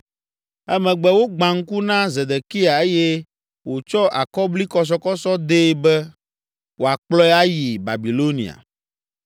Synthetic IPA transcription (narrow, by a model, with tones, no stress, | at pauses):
ɛ˦mɛ̃˨ɡ͡bɛ˨wo˦ɡ͡bã˨ŋ̩˦ku˦nã˦ze˨d̪e˨ki˦a˨e˦jɛ˦ | wo˨t͡ʃɔ˦ʔa˨kɔ˦bli˦kɔ˦s̬ɔ˦kɔ˦sɔ˦d̪e˦bɛ˦ | wo˨a˨k͡plɔ˦ɛ˦a˦ji˨ba̰˨bi˨lo˦nḭ̃˨a̰˨